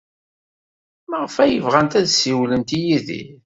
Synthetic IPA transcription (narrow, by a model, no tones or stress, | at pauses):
məʁəfæjəvʁænt̪æðsiwlənt̪ijiðḭ